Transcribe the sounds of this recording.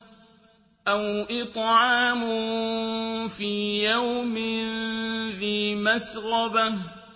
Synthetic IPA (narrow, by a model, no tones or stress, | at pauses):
ʔawʔɪt̪ˤʕɑːmʊ | fiːjawmɪnðiːmasɾɑba